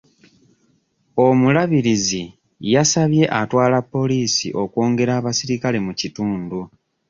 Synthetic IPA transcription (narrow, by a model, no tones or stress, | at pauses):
o̞mulaβiɾizi | jasaβje̞ʔatwaːlapːo̞liːsḭʔo̞kwo̞ːŋɡe̞ɾaːβasiɾikale̞mucituːndu